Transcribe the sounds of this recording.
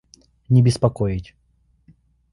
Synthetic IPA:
nʲɪbʲɪspɐkojɪtʲ

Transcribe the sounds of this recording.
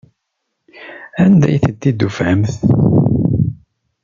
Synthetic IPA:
ænd̪æ̰jθəd̪ːid̪ufəmθ

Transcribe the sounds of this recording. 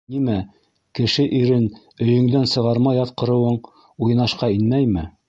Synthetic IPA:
nimæ | kɘ̆ʃɘʔiɾɘn | ɵ̆jɵ̆ŋd̪ænsɤ̆ʁɑɾmɑjɑt̪̚qɤ̆ɾɤ̆wɤɴ | uj̆nɑʃqɑinmæjmɘ

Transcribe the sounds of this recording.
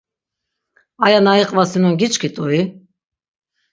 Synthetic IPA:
ajanaiqʼvasinɔɡit͡ʃʼkʰit̪ʼɔi

